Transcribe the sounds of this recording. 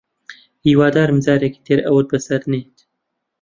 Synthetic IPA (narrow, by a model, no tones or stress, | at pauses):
hiːwaːd̪aːɾmzaːɾeki̥t̪ʰeːɾɐwət̪̚bəsɐɾneːt̪